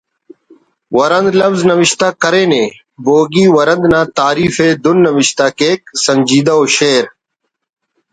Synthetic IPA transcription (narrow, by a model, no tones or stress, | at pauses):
wɐɾɐnd̪lɐfznɐwɪɕt̪aːkɐɾeːnẽː | boːɡiːwɐɾɐ̃nd̪nãːt̪aːɾiːfeːd̪unːɐʋɪɕt̪aːkeːk̚sɐɲd͡ʑiːd̪aoːɕeːɾ